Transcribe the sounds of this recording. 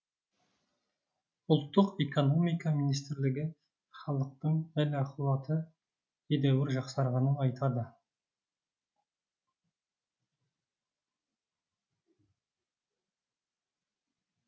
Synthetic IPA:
ʊlˠt̪ːəqe̞ko̞no̞mijkɑminijs̬t̪ɪɾlɪɡʲɪ | χɑlˠəq̚t̪əɴælɑqulˠɑt̪ʰə | ed̪æwɪɾʒɑqsɑɾʁɑnənɑjt̪ʰɑd̪ə

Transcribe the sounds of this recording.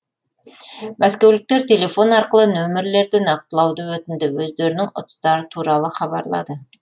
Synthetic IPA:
mæskʲe̞wlɪk̚t̪e̞ɾt̪ʲʰe̞le̞fo̞nɑɾqəlˠənɵmɪɾle̞ɾd̪ɪnɑq̚t̪əlˠɑwd̪əwɵt̪ɪnd̪ɪwɵzd̪e̞ɾɪnɪŋʊ̰t̪ə̥st̪ɑɾət̪ʰuɾɑlˠəχɑbɑ̰ɾlˠɑ̰d̪ə

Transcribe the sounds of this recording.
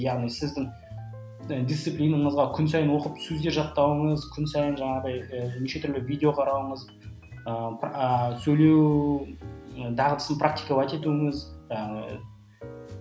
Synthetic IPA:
jɑʁnijsɪzd̪ɪŋ | əd̪isiplʲijnəɴəzʁɑkʲʰʏns̬ɑjənwo̞qəpsɵzd̪e̞ɾʒɑt̪ːɑwəɴəzkʲʰʏnsɑjənʒɑɴɑʁd̪ɑjəniʃe̞t̪ʰʏɾlɪvijd̪eo̞qʰɑɾɑwəɴəz | əpəsɵjle̞w | əd̪ɑʁəd̪ʰə̥sənprʔak̚t̪ijkəlɑt̪e̞t̪uɪŋɪzʒɑni

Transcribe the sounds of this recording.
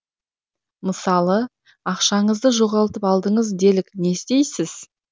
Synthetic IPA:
məsɑlˠə | ɑqʃɑɴəzd̪əʒo̞ʁɑlˠət̪əpɑlˠd̪əɴəzd̪e̞lɪkne̞st̪e̞jsɪz̥

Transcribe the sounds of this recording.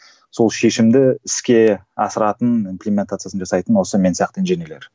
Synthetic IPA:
so̞lˠʃe̞ʃɪmd̪ɪɪskʲe̞ɑsəɾɑt̪ənimplʲemʲent̪at̪sɨasənʒɑsɑjt̪ənwo̞səme̞nsijɑq̚t̪əɪnʒenele̞ɾ

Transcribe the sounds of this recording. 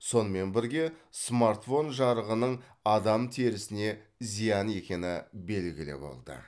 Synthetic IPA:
so̞nəme̞nbɪɾɡʲe̞smaɾt̪fo̞nʒɑɾəʁənəɴ | ɑd̪ɑmt̪ʰeɾɪsɪne̞zijɑne̞kʲe̞nɪ̰be̞lɡʲɪlɪ̰bo̞̰lˠd̪ə̰

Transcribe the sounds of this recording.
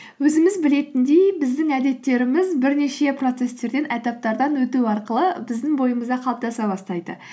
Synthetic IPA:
wɵzɪmɪzbɪle̞t̪ɪnd̪e̞jbɪzd̪ɪŋæd̪e̞t̪ːe̞ɾɪmɪzbɪɾne̞ʃe̞pro̞t̪se̞st̪e̞ɾd̪e̞nʔæt̪ɑp̚t̪ɑɾd̪ɑnwɵt̪uwɑɾqəlˠəbɪzd̪ɪŋbo̞jəməzd̪ɑqʰɑlˠəp̚t̪ɑsɑbɑst̪ɑjd̪̥ə̰

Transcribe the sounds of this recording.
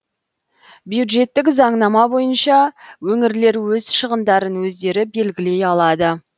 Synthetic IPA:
bjud̪ʒe̞t̪ːɪkzɑɴnɑmɑbo̞jənʃɑwɵŋɪɾle̞ɾwɵzʃəʁənd̪ɑɾənwɵzd̪e̞ɾɪbe̞lɡʲɪle̞jɑlˠɑd̪ə

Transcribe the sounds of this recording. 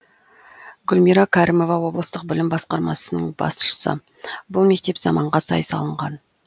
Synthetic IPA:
ɡʊlmiɾɑkʰɑɾimo̞vɑwo̞blˠəst̪əq̚bɪlɪmbɑsqɑɾmɑ̰sənəɴbɑ̰sʃə̥sə̰ | bʊlˠme̞k̚t̪e̞pz̥ɑmɑɴʁɑsɑ̰jsɑ̰lˠəɴʁɑn

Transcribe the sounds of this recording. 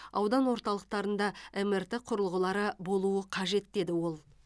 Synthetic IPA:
ɑwd̪ɑnwo̞ɾt̪ɑlˠəq̚t̪ɑɾənd̪ɑemert̪eqʰʊɾəlˠʁəlˠɑɾəbo̞lˠuəqʰɑʒe̞t̪d̪e̞d̪ɪwo̞lˠ

